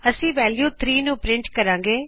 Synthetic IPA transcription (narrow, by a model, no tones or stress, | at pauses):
əsĩːʋɛːljuːt̪ʰɾiːnũːpɾɪɳʈkəɾãːŋɡeː